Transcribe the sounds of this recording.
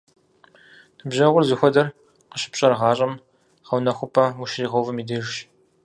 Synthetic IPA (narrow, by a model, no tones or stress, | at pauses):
tʰɨbʑɐʁʷʊrzɨxʷɐdɐr | qəʃɪ̥pɕʼɐrʁɑːɕʼɐm | χɐwnɐxʷʊpʰɐwuʃriːʁɐwvɨmiːdɨʒʃ